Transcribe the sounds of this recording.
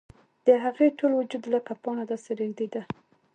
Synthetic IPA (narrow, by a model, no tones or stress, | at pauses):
d̪̥əɦaɣeʈolwʊd͡ʒud̪laqapɑnad̪ɑseɾeɡd̪ed̪a